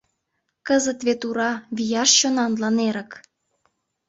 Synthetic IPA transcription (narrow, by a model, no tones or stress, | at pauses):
kəzə̆t̪βet̪uɾɑβijɑʃt͡ɕonɑnlɑneɾə̆k